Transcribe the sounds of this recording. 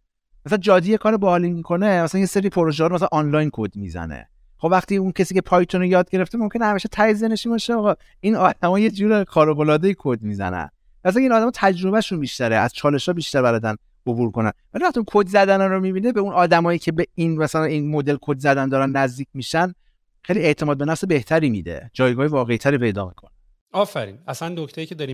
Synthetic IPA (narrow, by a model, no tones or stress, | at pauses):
mæsælænd͡ʒɒːd̪iːjekʰɒːɾebɒːliːmikʰo̞nemæsælænjeseɾipʰoɾoʒehɒɾmæs̬ælænʔɒnlɒjnkʰod̪mḭzæ̰nḛ | χobvæχt̪iːuncʰesiːcʰe̞pʰɒːjt̪ʰonejɒːd̪̚ɟe̞ɾe̞ft̪emo̞mcʰʲenehæmiːʃet̪ʰæjezeneʃibɒʃeɒːɣɒ | inɒːd̪̥æmɒːje̞d͡ʒuːɾexɒːɾobolɒːd̪ejikʰod̪miːzæ̰næ̰n | mæsælæinɒːd̪æmɒːt̪ʰæd͡ʒɾo̞bæʃunbiːʃt̪æɾḛʔæ̰z̥t͡ʃʰɒːle̞ʃɒːbiːʃt̪æɾbæɾɒːd̪æn | obuːɾko̞næ̰nvæliæxχt̪iunkʰod̪zæd̪ænænɾomibiːnebe̞unɒːd̪æmɒːjiːcʰe̞beinmæsælæninmo̞d̪e̞lkʰod̪zæd̪ænd̪ɒːɾænːæzd̪iːc̚ʰʲmiːʃæn | xejlie̞ʔt̪ʰe̞mɒːd̪̚be̞næfse̞be̞ht̪ʰæɾiːmḭd̪ḛd͡ʒɒːjɡɒːhevɒːɣe̞it̪ʰæɾiːpʰe̞jd̪ɒ̰ːmḭkʰo̞̰ne | ɒːfæɾḭːnæsænːokʰt̪ejicʰed̪ɒːɾi